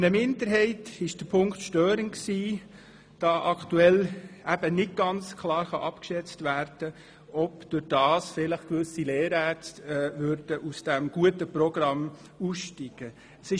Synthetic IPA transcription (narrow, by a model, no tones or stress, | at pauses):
ɪnəmɪndəɾɦɛɪtɪʃd̥əpʰʊŋktʃtøːɾənksiː | d̥ɑːʔɑktuɛlæb̥ənɪd̚ɡ̥ɑnt͡skʰlɑːɾχɑʔɑpkʃɛt͡stvæːɾd̥ə | ɔpd̥ʊɾd̥ɑːsfɪləχkʋʏsileːɾætːvʏɾd̥əʔusd̥æmɡ̥uətəprɔɡ̥rɑm | usʃtiɡ̥ə | əsɪ